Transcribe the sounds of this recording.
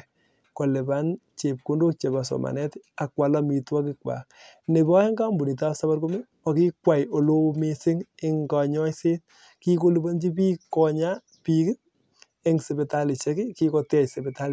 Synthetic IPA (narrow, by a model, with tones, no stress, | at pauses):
kɔ˨le˨ba˦nt͡ʃe˨p̚ku˦ndo˦k̚t͡ʃe˨ba˨sɔ̰˨ma̰˨nɛ˦ta˨kwa˨la˦mi˨twa˦kɪ˦k̚wa̰˨k̚ne˨bɔ˦e˦ŋɡa˦mbu˨ni˨ta˦sa˦ba˦ɾko˦me˦ | ɔ˨ki˦kwa˨jo˨lo˦me˦sɪ˦ŋɪ˦ŋɡa˨ɲɔ˦jse˦t̚ | ki˦ko˦lu˦bo˦nd͡ʒi˦pi˦kɔ˨ɲa˦ | pi˨kɪ˦t̚ | ɪ˦ŋse˨be˨ta˦li˨ʃɛ˦ki˦ki˦kɔ˧tɛ˦se˨bɛ˨ta˦l